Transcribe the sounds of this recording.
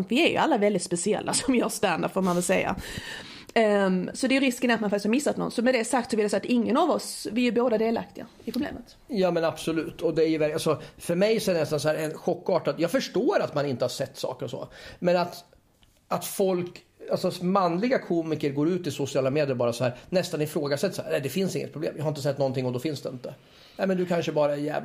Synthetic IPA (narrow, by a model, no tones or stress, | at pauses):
nt̪vɪæɾjɵ̰alːavɛld̪ɪt̪spɛsɪɛ̰lːʔa̰sɔmvɪjœːɾst̪and̪apfoːɾmanvɪlsɛjːa̰ | sɔd̪ɛjʏɾɪskənat̪manfak̪ɪst̪hʰɑmɪsːat̪nɔ̰nsɔmɛd̪ɛsak̚t̪sɔvɪljsɛjːat̪ɪŋːənɑvɔsvɪæɾboːd̪ad̪eːla̰k̚t̪ɪɡa̰ɪpʰɾʊblḛːmət̪ | jɑːmɛnabsɔlʉ̟ːt̪ʰɔd̪ɛæɾjɵvæɾalsɔfœɾmɛjsɔɛɖɛnɛst̪ansɔhæːɾɛnɧɔkːɑːʈat̪jɑːɡfœʂʈoːɾat̪manɪnt̪əhaɾsɛt̪ːsɑ̰ːkəɾɔsɔ̰mɛnat̪ | at̪fɔlk | alsɔmanːlɪɡakʰuːmɪkəɾɡoːɾʉ̟ːt̪ɪsʊsɪɑːlameːd̪ɪjəlbɑːɾasɔhæːɾnɛst̪anɪfɾoːɡasɛt̪ːsɔæːɛld̪ɛfɪnsɪŋːə̰t̪̚pɾʊblḛːmjɑːhaɾɪnt̪əsɛt̪ːnɔnt̪ʰɪŋːɔd̪ɔfɪnsd̪ɛɪnt̪ə | nɛːmɛnd̪ɵkʰanʂəbɑːɾajɛ̰ː